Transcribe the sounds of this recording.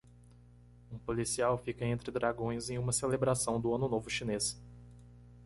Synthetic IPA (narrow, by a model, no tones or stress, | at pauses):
ũpolisiawfikɐẽnt̪ɾɪd̪ɾaɡõj̃zẽj̃ũmɐselebɾasɐ̃w̃d̪ʊɐ̃nʊnovʊʃines